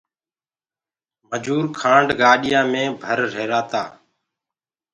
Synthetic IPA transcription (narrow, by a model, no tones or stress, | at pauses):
məd͡ʒuːɾkʰãːɳɖɡaːɗɪjãːmẽːbʱəɾɾeːɾaːt̪a̰ː